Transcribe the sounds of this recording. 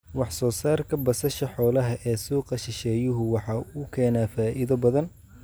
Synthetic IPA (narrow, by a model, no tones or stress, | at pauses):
wɑħsɔːsaːrkʰɐbɐsɐʃɐħɔːlɐɦɐʔɛːsuːqɐʃɪʃɛːjʊɦʊwɑħɑːuːkʰɛːnaːfaːʔɪðɐbɐðɐn